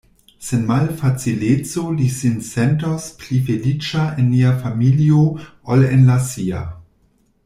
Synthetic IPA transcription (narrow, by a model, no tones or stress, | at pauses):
senmalfat͡silet͡solisinsentosplifelit͡ʃaenːiafamilioolenlasia̰